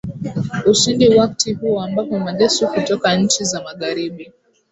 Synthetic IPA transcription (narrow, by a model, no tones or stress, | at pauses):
uʃindiwak̚tihuɔambapɔmaʄɛsukutɔkaɲ̩t͡ʃizamaɠaɾiɓi